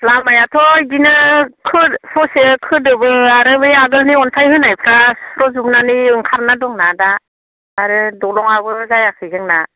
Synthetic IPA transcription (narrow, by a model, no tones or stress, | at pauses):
lamajatʰɔɡinɯkʰɯsɔsekʰɯdɯbɯaɾɯbɯjaɡɯlniɔntʰajhɯnajpʰɾasɾɔzumnaniɯŋkʰaɾnadɔŋnadaː | ɾɯdɔlɔŋabɯzajakʰɯjzɯŋna